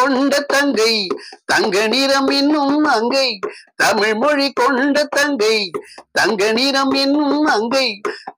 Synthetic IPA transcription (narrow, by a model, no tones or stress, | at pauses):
ɔɳɖɐt̪ːɐŋɡɐɪt̪ɐŋɡɐnɪɾɐmɛnːɯmɐŋɡɐɪt̪ɐmɪɻmɔɻikɔɳɖɐt̪ːɐŋɡɐɪt̪ɐŋɡɐniɾɐmɛnːɯmɐŋɡɐɪ